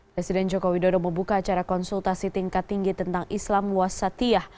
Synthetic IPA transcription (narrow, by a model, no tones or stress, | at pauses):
pɾɛsidɛnd͡ʒokowidodɔməmbukaːt͡ʃaɾakɔnsult̪asit̪iŋkat̪ːiŋɡit̪ənt̪aŋʔislamwasat̪iah